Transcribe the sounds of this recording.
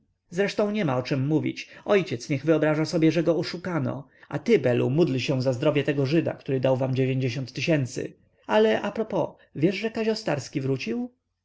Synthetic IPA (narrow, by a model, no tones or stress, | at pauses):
zɾɛʂt̪ɔ̃w̃ɲɛmaɔt͡ʂɛmːuvʲḭt͡ɕɔjt͡ɕɛt̪sɲɛɣvɘɔbɾaʐasɔbʲjɛʐɛɡɔɔʂukanɔ̰ | a̰t̪ɘbɛlṵmud̪lɕɛw̃zazd̪ɾɔvʲjɛt̪ɛɡɔʐɘd̪a̰kt̪uɾɘd̪awvamd͡ʑevʲjeɲd͡ʑeɕɔnt̪ːɘɕɛnt̪sɘ̰ | alɛʔapɾɔpɔ | vʲjɛʐʐɛkaɕɔst̪aɾskʲivɾut͡ɕiw